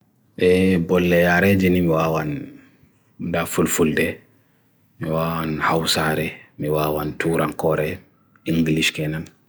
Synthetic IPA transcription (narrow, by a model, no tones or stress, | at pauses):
ʔɛbɔlːɛjaɾɛd͡ʒinimiwaːwan | dafulfuldɛ | miwaːwanhawsaɾɛmiwawantuɾankɔɾɛ | iŋɡliʃkɛnan